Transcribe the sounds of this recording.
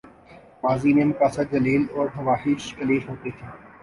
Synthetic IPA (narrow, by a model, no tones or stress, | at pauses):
maːziːmẽːmʊkaːsəd͡ʒɐleːlɔːɾɦɐʋaːhɪʃkɐleːfɦoːt̪et̪ʰiː